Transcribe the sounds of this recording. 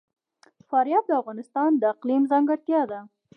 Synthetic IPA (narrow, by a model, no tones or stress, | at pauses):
fɑɾjɑt̪̚d̪əafɣɑnɪst̪ɑnd̪əːqlimzɑŋɡaɽt̪jɑd̪a